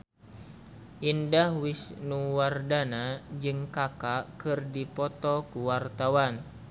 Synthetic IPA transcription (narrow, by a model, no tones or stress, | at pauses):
ʔindahwisnuwardanad͡ʒɨŋkakakɨrdipɔt̪ɔkuwart̪awan